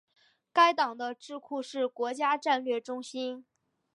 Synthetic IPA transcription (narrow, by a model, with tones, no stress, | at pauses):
ka˥ɪt̪ɑ˨˩ŋd̪ə˦ʈ͡ʂɻ̩˥˧kʰu˥˧ʂɻ̩˥˩kwɔ˧˥t͡ɕja˥ʈ͡ʂa˥˧nlɥɛ˥˩ʈ͡ʂʊ˥ŋɕi˥n